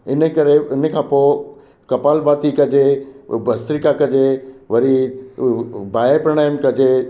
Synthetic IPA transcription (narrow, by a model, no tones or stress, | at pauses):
ɪnəkɐɾeɪnəkʰãːpo | kɐpaːlbaːt̪ikɐd͡ʑebɐst̪ɾikakɐd͡ʑeʋɐɾi | baːepɾɐɽaːɪmkɐd͡ʑe